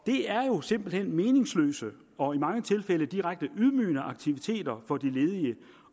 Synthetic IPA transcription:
d̥e̝æɐjo̝se̝m̰b̥l̩hen̰me̝ːne̝ŋslø̰ːsə | ɒ̽imɑ̈ŋət͡sʰe̝lfeləd̥iʁaɡ̥̚d̥əʔuð̞ˠmy̰ːnəʔɑ̈ɡ̥t͡sʰiʋit͡sʰe̝̰ːd̥ɐfɒ̽d̥ile̝ːð̞ˠiə

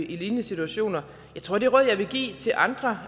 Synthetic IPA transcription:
iliːnəsit͡sʰuæɕo̝̰ːnɐ | jɑ̈ɪt͡sʰʁo̝ɐ̰d̥e̝ʁɔð̰ˠjɑ̈ɪʋe̝ɡ̥ḭːt͡sʰe̝lʔɑ̈nd̥ʁɐ

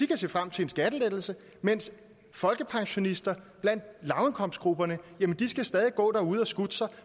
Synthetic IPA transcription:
d̥ikʰæse̝̰ːfʁam̰t͡sʰe̝e̝nsɡ̥æd̥əled̥l̩sə | men̰s | fɒ̽lɡ̥əpʰɑ̈ŋɕo̝nisd̥ɐb̥læn̰d̥̚lɑ̈ʊenkʰɒ̽m̰sdɡ̥ʁub̥ɐnəjæmənd̥isɡ̥æsd̥ɛːð̞ˠiɡ̥ɔ̰̽ːɾ̥ɐuð̞̰ˠɒsɡ̥ud̥əsɑɪ

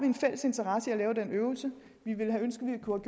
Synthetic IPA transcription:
ɑʋie̝nfel̰əse̝nt͡sʰɐʁɑ̈səiælɛːʊəd̥enøːʊl̩sə | ʋiʋe̝lɦæønsɡ̥əʋikʰuhæɡ̥j

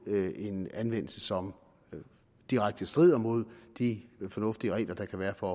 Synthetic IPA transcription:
e̝nænʋen̰l̩səsɒ̽m | d̥iʁaɡ̥̚d̥əsd̥ʁið̞̰ˠɐmo̝ð̞̰ˠd̥ifɒ̽nɔ̽fd̥iəʁɛ̰ːlɐd̥ɑ̈kʰæʋæːɐfɒ

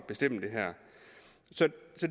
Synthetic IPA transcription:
b̥e̝sd̥em̰d̥e̝ɦæɐ̰ | sɒ̽sɒ̽d

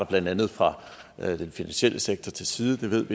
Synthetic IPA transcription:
ɐb̥lænd̥ænð̞̩ˠfʁɑ̈ | d̥enfinænɕiel̰ʔəseɡ̥̚t͡sʰɐt͡sʰe̝lsiːðˠəd̥e̝ʋe̝ð̞̰ˠʋi

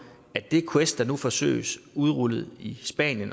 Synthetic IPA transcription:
ædd̥e̝kʰwesd̥ɑ̈nufɒ̽sø̰ːɪəsuð̞ˠʁuləð̞̩ˠisb̥ɛ̰njən

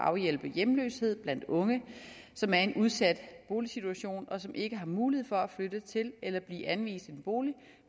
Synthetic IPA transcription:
ʔɑ̈ʊjel̰b̥əjemlø̰ːshe̝ð̞̰ˠb̥læn̰d̥ɔ̽ŋə | sɒ̽mæɐe̝nʔuð̞ˠsæd̥b̥o̝ːlisit͡sʰuæɕo̝̰ːnɒ̽sɒ̽mʔe̝ɡ̥əɦɑ̈muːlihḛfɒ̽æflød̥ət͡sʰe̝lelɐb̥lḭːʔænʋḭːsd̥e̝nb̥o̝ːli

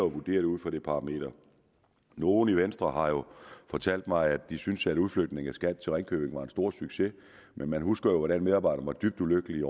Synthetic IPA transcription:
ɒʋud̥e̝̰ːɐd̥uð̩̰ˠfɒ̽ɾ̥e̝pʰɑ̈ʁɑ̈me̝̰ːd̥ɐ | no̝ːn̩iʋensd̥ʁɐhɑ̈jo̝fɒ̽t͡sʰæl̰d̥mɑ̈ɪædd̥isynsæɾ̥uð̞ˠfløɡ̥̚d̥ne̝ŋæsɡ̥æd̥t͡sʰe̝lʁɛŋkʰø̰ːb̥e̝ŋʋɑ̈e̝nsd̥o̝ɐ̰syɡ̥se̝ | mʔenmænɦusɡ̥ɐjo̝ʋɒɾænmeðˠɑ̈ːbɑ̈ɪɾ̥ɐmɑ̈ɪd̥yb̥̚d̥uløɡ̥əliɒ

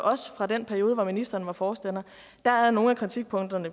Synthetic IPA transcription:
ʔɒ̽sə̥fʁɑ̈d̥enpʰæɐjo̝ːðˠʋɒminisd̥ɐːnʋɑ̈fɒːsd̥en̰ɐ | d̥ææɐno̝ːn̩ækʰʁit͡sʰiɡ̥̚pʰɔ̽ŋ̰d̥ɐnə

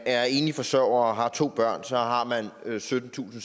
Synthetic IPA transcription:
æɐe̝ːnifɒ̽sœʊ̰ɐɦɑ̈t͡sʰo̝̰ːb̥ɶɐ̰nsɒ̽ɦɑ̈mænøsød̥n̩t͡sʰṵːsn̩

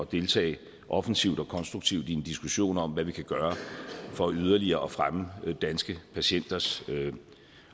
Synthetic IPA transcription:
d̥e̝lt͡sʰɛ̰ːɪ | ʔɒ̽fn̩siʊd̥ɒ̽kʰɒ̽nsd̥ʁuɡ̥̚t͡sʰiʊd̥iend̥isɡ̥uɕo̝̰ːnɒ̽m̰ʋæʋikʰæɡ̥ɶːɐfɒ̽æyð̞ˠɐliɐːɒ̽fʁaməd̥ænsɡ̥əpʰæɕen̰d̥ɐs

